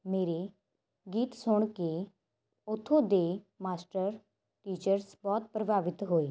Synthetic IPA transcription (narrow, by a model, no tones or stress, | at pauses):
meːɾe | ɡiːt̪sʊɳ̃ke | ʊt̪ʰːõd̪eː | maːsʈəɾ | ʈiːt͡ʃəɾsbɔːt̪̚pɾəbʱaːʋɪt̪ɦoːeː